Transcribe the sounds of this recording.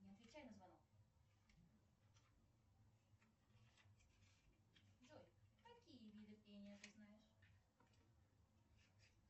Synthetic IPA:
ɲʲɪɐt̪vʲɪt͡ɕæjnəzvɐnok | ʐolʲkɐkʲijəvʲid̪ɨfpʲenʲɪjət̪ɨznajɪʂ

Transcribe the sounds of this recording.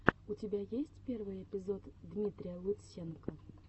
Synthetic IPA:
ut͡sʲɪbʲajesʲt͡sʲpʲervɨjɛpʲɪzɔt̪d̪mʲit̪ɾʲɪjəlˠʊsʲenkɐ

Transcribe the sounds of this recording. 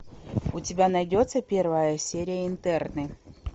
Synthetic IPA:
ʊtʲɪbʲanɐjdʲo̞t̪səpʲe̞rvəjəsʲeɾʲɪjəɪnt̪ɛrnɨ

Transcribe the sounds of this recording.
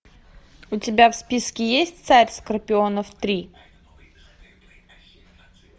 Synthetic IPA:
ʊtʲɪbʲafspʲiskʲɪjesʲt̚ʲt̪saɾʲskərpʲɪonəft̪ɾʲi

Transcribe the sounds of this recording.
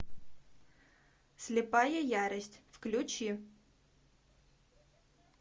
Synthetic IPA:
sʲlʲɪpɑjɛjaɾɪsʲtʲfklʲʊt͡ʃi

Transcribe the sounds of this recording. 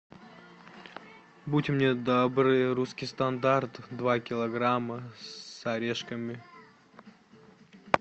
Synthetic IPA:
butʲmnʲed̪obɾɨjɾuskʲɪjst̪ɐnd̪art̪d̪vakʲɪlˠɐɡɾamːəsɐɾʲeʂkəmʲɪ

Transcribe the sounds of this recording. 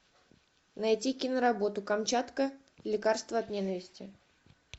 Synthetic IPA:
nɐjtʲikʲɪnəɾɐbo̞t̪ʊkɐmt͡ɕat̪kə | lʲɪkarst̪vəɐt̪nʲenəvʲɪsʲtʲɪ

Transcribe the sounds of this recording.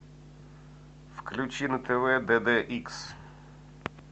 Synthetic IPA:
fklʲut͡ʃinɐt̪ʰɛʋɛd̪ɛd̪ɛʔiks

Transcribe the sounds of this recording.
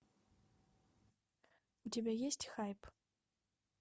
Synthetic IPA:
ut͡sʲabʲejesʲt͡sʲxajp

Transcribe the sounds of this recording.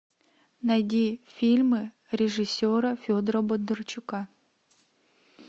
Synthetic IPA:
nɐjd̪ʲifʲilʲmɨ | ɾʲɪʐɨsʲːoɾɐfʲod̪əɾəbod̪ɨrt͡ɕʊka

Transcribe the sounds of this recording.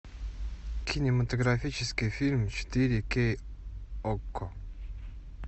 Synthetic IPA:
kʰinemat̪oɡɾafit͡ʃɛskifilmt͡ʃe̥t̪iɾike | ɔkːɔ

